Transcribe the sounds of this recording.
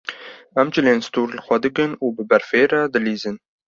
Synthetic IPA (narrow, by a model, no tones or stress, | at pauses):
ɛmd͡ʒɪleːnst̪uːɾlɨxʷɛd̪ɨkɨnuːbɨbɛɾfeːɾɛd̪ɨliːzɨn